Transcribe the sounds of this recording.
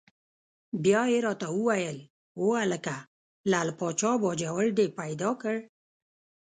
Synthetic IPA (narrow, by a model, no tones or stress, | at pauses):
bjɑeɾɑt̪auwajəl | woaləka | laːlpɑt͡ʃɑbɔd͡ʒawəɭd̪epajd̪ɑkəɽ